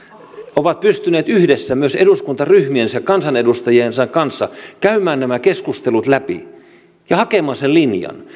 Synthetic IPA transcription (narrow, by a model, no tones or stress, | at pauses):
oʋɑt̪̚pyst̪yneːt̪yhdesːæmyøseduskunt̪ɑryhmiensekɑnsɑnedust̪ɑjiensɑŋkɑnsːɑkæymæːnnæmækeskust̪elut̪læpḭ | jɑhɑkemɑːsellinjɑ̰n